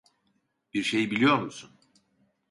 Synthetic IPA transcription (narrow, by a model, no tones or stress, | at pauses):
b̥iɾʃe̞jbilʲijo̞ɾmusun